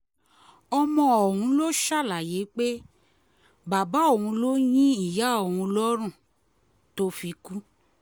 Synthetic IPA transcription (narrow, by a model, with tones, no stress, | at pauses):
ɔ˧mɔ̃˧ɔ˨hũ˨˧˦lo˦ʃa˦˨la˨je˨˦k͡pe˦ | ba˨ba˦o˦˨hũ˧lo˦j̃ĩ˦i˦˨ja˨˦o˨hũ˧lɔ˦ɾ̃ũ˦˨ | to˦fi˧ku˦